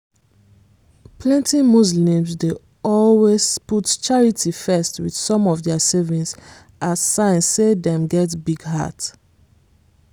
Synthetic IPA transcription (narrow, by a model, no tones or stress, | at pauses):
pʰlɛ̃ntimuzlĩmzde | ɔlwez̥putt͡ʃaɹitʰifɛstwið̥sɔ̃mɔvðɛsɛvĩnts | ʔaz̥sãɪ̃nssedɛ̃mɡɛtbiɡɦa̰t